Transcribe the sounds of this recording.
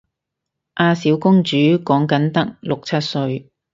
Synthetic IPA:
ʔaː˧siː˨˥wkʊ˥ŋt͡ʃyː˨˥kɔː˨˥ŋkɐ˨˥nt̪ɐ˥k̚lʊ˨k̚t͡sʰɐ˥t̚sɵ˧ɥ

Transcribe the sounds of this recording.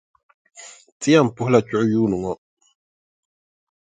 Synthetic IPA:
ti˦a˦˨m̩˨pu˦hla˨t͡ʃu˦˨˦juː˦nu˨ŋɔ˦

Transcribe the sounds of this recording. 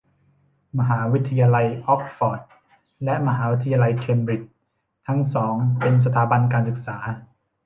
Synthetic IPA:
ma˧ɦaː˩˦wi˦˥t̪ʰːa˧jaː˧la˧jʔɔ˦˥k̚fɔː˨˩t̪̚ | lɛ˦˥ʔma˧ɦaː˩˦wi˦˥t̪ʰa˧jaː˧la˧jkʰe˧mɾi˨˩t͡ɕ̚ | t̪ʰːa˦˥ŋsɔː˩˦ŋpe˧ns̬a˧t̪ʰaː˩˦ba˧nkaː˧nsɯ˨˩k̚saː˩˦

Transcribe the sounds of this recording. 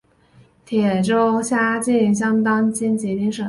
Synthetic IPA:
t̪ʰjɛ˨˩ʈ͡ʂo˥ʊɕja˥t͡ɕi˥˩nnɕ̬jɑ˥ŋt̪ɑ˥ŋt͡ɕi˥nt͡ɕi˧˥t̪i˥ŋʂɤ˨˩

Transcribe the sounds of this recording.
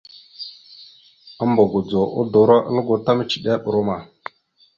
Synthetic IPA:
ə˦mbo˨ɡo˨d͡zo˨ʔo˦do˨ɾa˦ʔə̰˦lə˦ɡo˨ta˦mə˦t͡ʃi˨ɗa˦ɓə˨ɾo˦ma˨

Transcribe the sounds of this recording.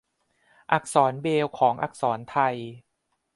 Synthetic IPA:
ʔa˨˩k̚sɔː˩˦nbeː˧wkʰɔː˩˦ŋʔa̰˨˩k̚sɔː˩˦nt̪ʰa˧j

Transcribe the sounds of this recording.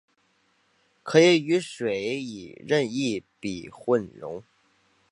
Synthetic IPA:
kʰɤ˧˥i˧˥y˧˥ʂwe˨˩˦ɪi˨˩ɻə˥˧ni˥˩pi˨˩xwə˥˧nɻʊ̰˧˥ŋ

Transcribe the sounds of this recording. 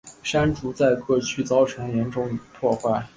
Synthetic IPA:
ʂa˥nʈ͡ʂu˧˥t͡sa˥˧ɪkɤ˥˧t͡ɕʰy˥˩t͡sɑ˥ʊʈ͡ʂʰɤ˧˥ŋjɛ˧˥nʈ͡ʂʊ˥ŋ˨˩t̪ʰwɔ˥˧xwa˥˩ɪ

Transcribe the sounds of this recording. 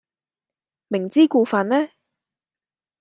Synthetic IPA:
mɪ˨˩ŋt͡siː˥kuː˧fa˨˧nnɛː˥

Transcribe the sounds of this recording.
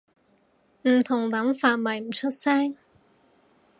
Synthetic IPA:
m̩˨˩t̪ʰʊ˨˩ŋt̪ɐ˨˥mfaː˨t̚mɐ˨˩jm̩˨˩t͡ʃʰɵ˥t̚sɛː˥ŋ

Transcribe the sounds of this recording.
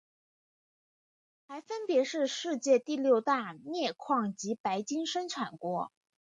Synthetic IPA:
xa˧˥ɪfə˥npjɛ˧˥ʂɻ̩˥˧ʂɻ̩˥˧t͡ɕjɛ˥˧t̪i˥˧ljo˥˧ʊt̪a˥˧njɛ˥˩kʰwɑ˥˩ŋt͡ɕi˧˥pa˧˥ɪt͡ɕi˥ŋʂə˥ŋʈ͡ʂʰwa˨˩nkwɔ˧˥

